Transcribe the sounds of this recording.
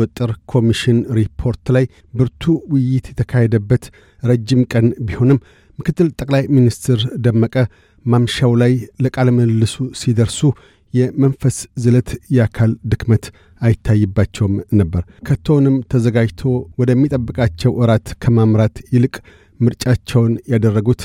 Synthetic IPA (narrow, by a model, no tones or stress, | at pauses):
ɔt̪ʼːɨɾkʰo̞miʃɪnɾipʰo̞ɾt̪laj | bɨɾt̪ʰuwɪjːɪt̪jɛt̪ʰəkʰahɛd̪əbːət̪ | ɾəd͡ʒːɪmkʼənbiho̞nɨmː | ɨkʰɨt̪ːɨlt̪ʼəkʼlajminist̪ʰɪɾd̪əmːəkʼə | mamʃawlajləkʼaləməlːɨsusid̪əɾsu | jɛmənfəszɨlət̪jɛakʰald̪ɨkmət̪ | ajɪt̪ʰːajːɨbːat͡ʃːɛwɨmnəbːəɾkʰət̪ʰːəwnɨmt̪ʰəzəɡad͡ʒt̪ʰo̞wɔd̪əmːit̪ʼəbːɨkʼat͡ʃːɛwʔɨɾat̪kʰəmamɾat̪jɪlɨkʼ | mɨɾt͡ʃʼat͡ʃːɛwnjad̪ərːəɡut̪